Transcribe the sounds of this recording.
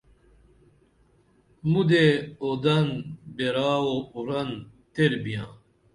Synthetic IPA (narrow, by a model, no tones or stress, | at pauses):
mud̪eod̪ɐnbeɾaːwouɾɐn | t̪eɾbijã̰ː